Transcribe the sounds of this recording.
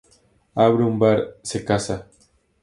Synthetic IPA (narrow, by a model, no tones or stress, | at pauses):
aβɾeumbaɾsekasa